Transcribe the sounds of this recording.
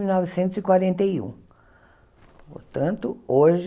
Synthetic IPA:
iwnɔvɪsẽnt̪ʊzɪkwaɾẽnt̪ejṵ̃ | po̰ɾt̪ɐ̃nt̪ʊoʒ

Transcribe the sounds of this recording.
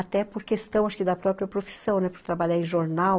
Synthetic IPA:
at̪ɛpoɾkest̪ɐ̃w̃aʃkɪd̪ɐpɾɔpɾiɐpɾofi̥sɐ̃w̃nɛpoɾt̪ɾabaʎaɾẽʒoɾnaw

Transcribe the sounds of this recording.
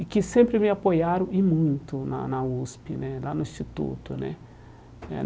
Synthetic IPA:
ikɪsẽmpɾɪmɪapojaɾʊ̃ʔimũj̃ñt̪ʊna̰nauspinɛ̃lanʊist͡ʃit̪ṵt̪ʊnɛ̰̃ | ɛ̰

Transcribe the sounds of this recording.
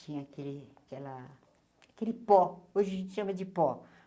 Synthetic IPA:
ĩɲɐakelɪakɛlɐ | akelɪpɔoʒɪɐʒẽt͡ʃ̪ɪʃɐ̃mɐd͡ʒɪpɔ

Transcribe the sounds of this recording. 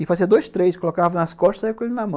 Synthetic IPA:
ɪfaziɐd̪ojst̪ɾejskolokavɐnɐskɔʃt̪ɐzaikõelɪnɐmɐ̃

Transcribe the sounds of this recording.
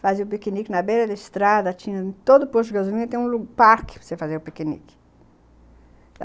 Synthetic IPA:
faziʊpekinikɪnɐbeɾɐd̪ɪɪst̪ɾad̪ɐt͡ʃĩɲɐ̃t̪od̪ʊpoɾt͡ʃʊɡazulĩɲɐt̪ẽj̃ũluɡpaɾkɪ̥psefazeɾʊpekinḭkɪ̥

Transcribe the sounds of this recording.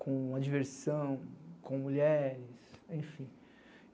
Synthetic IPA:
kõad͡ʒiveɾsɐ̃w̃kõmuʎɛɾɪsẽj̃fĩ

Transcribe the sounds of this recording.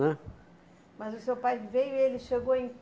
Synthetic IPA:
ɛ | mɐzʊsewpajvejʊielɪʃeɡowẽj̃

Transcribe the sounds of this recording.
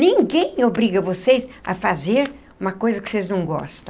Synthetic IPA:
nĩŋɡẽj̃obɾiɡɐvosejsɐ̰fazeɾ | ũmɐkojzɐkɪ̥seznɐ̃w̃ɡɔ̰st̪ɐ̃

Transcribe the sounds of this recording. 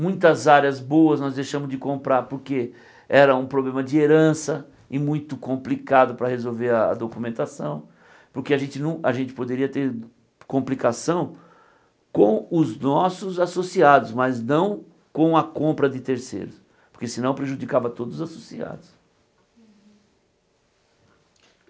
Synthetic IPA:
mũj̃t̪ɐzaɾjɐzbowɐznɔzd̪ejʃɐ̃mʊzd͡ʒɪkõmpɾaɾpoɾke | ɛɾɐũpɾoblẽmɐd͡ʒɪeɾɐ̃sɐ | ɪmũj̃t̪ʊkõmplikad̪ʊpɾɐhezowveɾɐɐ̰d̪okumẽnt̪asɐ̃w̃ | poɾkeaʒẽnt͡ʃɪnɐ̃w̃ɐʒẽnt͡ʃɪ̥pod̪eɾiɐt̪eɾ | kõmplikasɐ̃w̃ | kõw̃ʊznɔsʊzasosiad̪ʊsmɐznɐ̃w̃ | kõw̃ɐkõmpɾɐd͡ʒ̪ɪt̪eɾsḛjɾʊs | poɾkesɪnɐ̃w̃pɾeʒud͡ʒikavɐt̪od̪ʊzʊzaso̥sia̰d̪ʊs

